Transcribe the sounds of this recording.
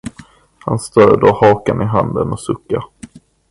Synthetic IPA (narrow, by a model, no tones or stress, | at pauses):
hanst̪œːd̪ohɑːkanɪɦand̪ənɔsɵkːa